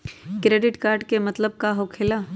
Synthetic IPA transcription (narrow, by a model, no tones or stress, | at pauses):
kɾeːɖɪʈkaːɾɖkemɐt̪ləb̚kaɦokʰɪlaː